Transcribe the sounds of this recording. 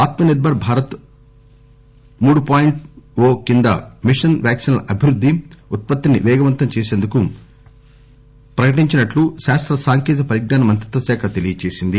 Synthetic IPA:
aːt̪mɐniɾbʱɐɾbʱaːɾɐt̪ | muːɽupaːjiɳʈʋoːkind̪ɐ̰miʂɐnʋjaːksinlɐʔɐbʱiɾud̪ʱːiut̪̚pɐt̪ːiniʋɛːɡɐʋɐnt̪ɐmt͡ʃeːseːnd̪uku | pɾɐkɐʈiɲt͡ʃinɐʈluʃaːst̪ɾɐsaːŋkiːt̪̬ɐpɐɾiɡ̚naːnɐmɐnt̪ɾɐt̪ʋɐsɛːkʰɐt̪elijɐt͡ʃe̞ːsind̪i

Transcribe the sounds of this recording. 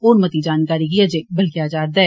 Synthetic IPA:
oːnmət̪id͡ʒaːnkaːɾikɪjad͡ʒẽbəlkjad͡ʒaːɾd̪a

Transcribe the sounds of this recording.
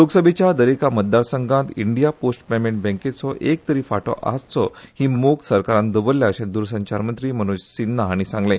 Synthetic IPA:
loɡsəbʱet͡ɕjad̪əɾekamət̪̚d̪aɾsəŋɡãnt̪iɳɖijaposʈpemeɳʈ̚bɛ̃ŋket͡sɔʔek̚t̪əɾiːfaʈɔ̰ʔa̰st͡sɔhiːmoksəɾkaɾãnd̪əbəlːjaəɕẽd̪uɾsə̃ɲt͡ɕaɾmənt̪ɾiːm̤əñud͡ʑsinːaːɽ̃isãŋɡlẽ

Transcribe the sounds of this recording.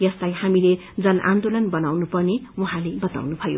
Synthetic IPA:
jʌslajhamile | d͡zʌnʔa̰nd̪olʌnbʌnawnupʌrnewuɦãlebʌt̪a̰wnubʱʌjo̰

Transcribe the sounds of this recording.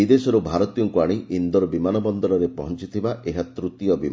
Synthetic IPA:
id̪esɔɾubʱaɾɔt̪ijɔŋkuaɽ̃iʔind̪ɔɾɔbimanɔbɔnd̪ɔɾɔɾepɔ̰ɦɔnt͡ʃit̪ʰibaeɦat̪ɾut̪ijɔbi

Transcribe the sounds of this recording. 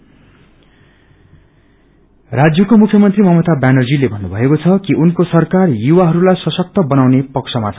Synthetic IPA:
rad͡zjʌkomukʰjʌmʌnt̪rimʌmʌt̪abanʌd͡zilebʱʌnːubʱʌekot͡sʰʌkiʔunkosʌrkarjuwaɦʌɾulajsʌsʌk̚t̪ʌbʌnawnepʌksʰʌmat͡sʰʌ

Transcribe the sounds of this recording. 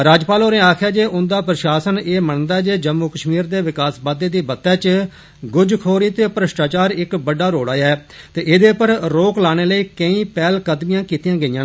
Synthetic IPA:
ɾaːd͡ʒpaːloːneːaːkʰjaːd͡ʒeːʔʊnd̪aːpɾəʃaːsəneːməɳnd̪aːɛːd͡ʒeːd͡ʒəmːuːkəʃmiːɾd̪eːʋɪkaːsbaːd̪eːd̪iːbət̪ːɛ̃ːt͡ʃ | ɡʊd͡ʒkʰoːɾiːt̪eːpɾəsʈaːt͡ʃaːɾɪkbəɖaːɾoːɽaːjɛːt̪eːʔɪd̪eːpəɾɾoːklaːɽ̃eːləiːkəĩːpɛːlkəd̪mɪjãːkiːt̪ijãːɡəiːãː

